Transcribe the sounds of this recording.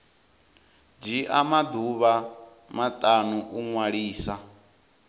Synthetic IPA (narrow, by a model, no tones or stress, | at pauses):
d͡ʒiʔamad̪uβa | mat̪ʼanuʔuŋwaɺiːsa